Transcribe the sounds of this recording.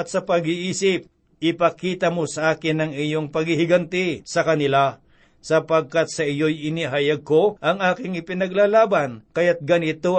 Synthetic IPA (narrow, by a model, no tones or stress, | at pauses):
ɐt̪sɐpɐɡɪʔiːsɪp̚ | ʔɪpɐkiːt̪ɐmosɐʔaːkɪnɐŋɪjoŋpɐɡhɪhɪɡɐnt̪ɪsɐkɐnɪla | sɐpɐɡ̚kat̪̚sɐʔɪjojɪnɪɦajaɡ̚koʔɐŋʔaːkɪŋɪpɪnɐɡlalaːbankɐjat̪̚ɡɐnɪt̪o